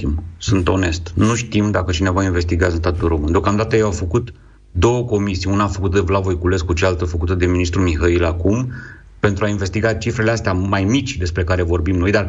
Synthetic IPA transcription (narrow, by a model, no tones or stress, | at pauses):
imsunt̪o̞ne̞st̪nuʃt̪imd̪akət͡ʃine̞vainve̞st̪iɡaɨns̬t̪at̪ulro̞mɨnd̪eo̞kamd̪at̪əjeawfəkut̪ | d̪o̞wəko̞misijunaːfəkut̪d̪evlavojkule̞skut͡ʃealt̪əfəkut̪əd̪e̞minist̪ɾumiɦailakum | pe̞nt̪ɾuainve̞st̪iɡat͡ʃifɾe̞least̪eamajmit͡ʃʲd̪e̞spɾekaɾe̞vo̞rbimno̞jd̪ar